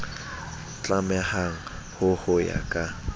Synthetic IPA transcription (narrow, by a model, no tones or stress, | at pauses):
t͡ɬʼamɛhaŋ̩ | hʊhʊja̰kʼa